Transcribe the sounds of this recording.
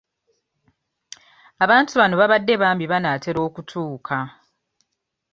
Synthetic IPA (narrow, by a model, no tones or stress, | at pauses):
aβaːntuβano̞βaβadːe̞βaːmbiβanaːte̞ɾo̞ːkutʰuːkʰa